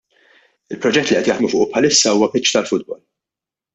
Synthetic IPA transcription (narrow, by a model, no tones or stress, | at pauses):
ɪlpɾɔd͡ʒɛt̪ːliʔɛt̪jɐħd̪mufʊːʔupħɐlɪsːɐuːwɐpɪt͡ʃːt̪ɐlfʊd̪̚bɔl